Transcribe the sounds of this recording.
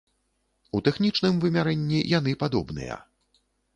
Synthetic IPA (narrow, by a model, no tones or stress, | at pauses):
ut̪ɛxnʲit͡ʂnɨmvɨmʲaɾɛnʲːijan̪ɨpad̪ɔbnɨ̰jɐ̰